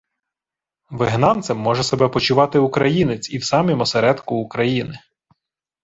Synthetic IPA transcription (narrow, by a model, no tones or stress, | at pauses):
ʋɪɦnɑnt̪semːɔʒɛsebɛpɔt͡ʃʊʋɑt̪ɪʊkɾɐjinet͡sʲiwsɑmʲimɔseɾɛd̪kʊːkɾɐjinɪ